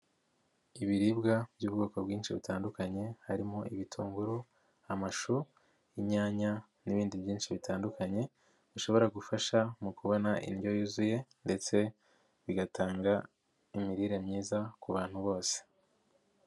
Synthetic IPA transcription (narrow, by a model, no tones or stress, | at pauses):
iβiɾiːbɡabjuːb̚ɡo̞ːko̞bɡiːnʃiβitaːndukaɲe̞haɾimoʔiβitʰuːŋɡuɾu | amaʃu | iɲaːɲa | niβiːndibjiːnʃiβitaːndukaɲe̞ | βiʃo̞βo̞ɾaɡufaʃamukuβo̞naʔḭnjo̞juzuje̞nde̞t͡se̞ | βiɡataːŋɡa | imiɾiɾe̞mɲiːzakuβaːn̥huβo̞ːse̥